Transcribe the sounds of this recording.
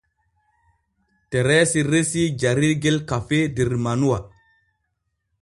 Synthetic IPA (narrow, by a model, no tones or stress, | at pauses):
teɾesiɾesid͡ʒaɾiɾɡelkafediɾmanua